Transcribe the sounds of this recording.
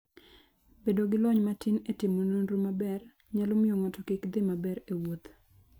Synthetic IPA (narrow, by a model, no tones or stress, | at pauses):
bedoɡɪlɔɲmatinetɪmononɾumabɛr | ɲalɔmɪjoŋatɔkikd̪ɪmabɛɾewot̪